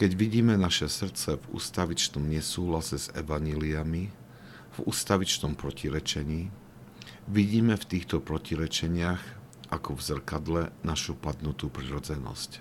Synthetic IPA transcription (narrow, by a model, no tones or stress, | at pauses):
kɛɟʋiɟiːmɛnaʃɛsr̩t͡sɛvṵːst̪aʋit͡ʃnɔmɲɛsuːɦlasɛz̥ɛ̰ʋaɲɛliami | vṵːst̪aʋit͡ʃnɔmpɾɔciɾɛt͡ʃɛɲiː | ʋiɟiːmɛft̪iːxt̪ɔpɾɔciɾɛt͡ʃɛɲɪax | ʔakɔvzr̩kad̪lɛnaʃupad̪nut̪uːpɾiɾɔd͡zɛnɔ̰sc